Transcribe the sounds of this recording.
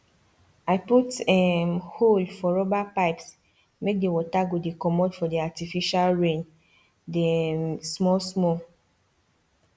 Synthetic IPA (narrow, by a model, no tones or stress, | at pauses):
aɪputɛmholfɔɹɔbapaɪps | mek̚dewɔtaɡodekɔmɔdfɔdiatifiʃalɹẽn | desmɔsmɔ